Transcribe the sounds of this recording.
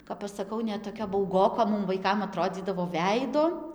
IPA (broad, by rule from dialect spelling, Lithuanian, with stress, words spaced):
kɐp ɐʃ sɐˈkɐʊ nʲɛt toːˈkʲɛ bɐʊˈɡoːkoː ˈmʊm ʋɐɪˈkɐm ɐˈtroːd͡zʲiːdɐʋoː ˈʋʲɛɪdoː